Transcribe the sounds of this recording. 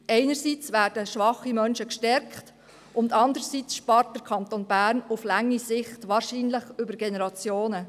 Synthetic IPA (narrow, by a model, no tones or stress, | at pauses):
ɛɪnəɾsiːt͡sʋæːɾd̥əʃʋɑχimœnʃəkʃtɛɾkt | ʔʊndɑndəɾsiːt͡sʃpɑːɾt̚d̥əɾkʰɑntonbæːɾnuflaŋːisɪχtʋɑːɾʃiːnlɪχʏbəɾɡenɛɾɑt͡sjoːnə